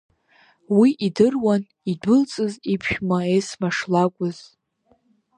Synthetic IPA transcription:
wiʔidɨrwan | idʊlt͡sʼɨzipʰʃᶣmaesmaʂlakʷʼʊz

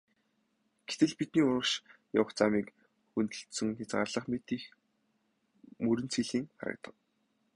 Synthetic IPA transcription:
ɡ̥et̪ɘ̆ɮpit̪̚niːʊɾə̆kʃja̰wə̆χt͡samiːk | xunt̪ɵ̆ɬt̪sɵ̆ŋxat͡sɢa̰ːrɮə̆χmet̪iːx | mɵɾɘ̆nt͡sʰiɮiːŋχa̰ɾə̰̆k̚t̪ə̥̆q̚

